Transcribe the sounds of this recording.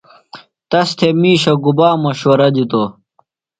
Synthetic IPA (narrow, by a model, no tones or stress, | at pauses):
t̪ɐst̪ʰemiːɕɐɡubaːmɐɕɐɾɐd͡ʑit̪o